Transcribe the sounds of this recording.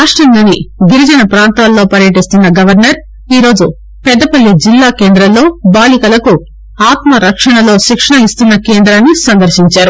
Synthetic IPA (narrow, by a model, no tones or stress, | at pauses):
aːʂʈɐnloːniɡiɾid͡ʒɐnɐpɾaːnt̪aːlːo̞ːpɐɾjɐʈ̬ist̪unːɐɡɐʋɐɾnɐɾ | iːɾo̞ːd͡ʒu | pɛd̪ːɐpɐlːid͡ʒilːaːke̞ːnd̪ɾɐmlo̞ːbaːlikɐlɐku | aːt̪mɐɾɐkʂɐɳɐlo̞ːʃikʂɐɳɐist̪unːɐkeːnd̪ɾaːnːisɐnd̪ɐɾʃiɲt͡ʃaːɾu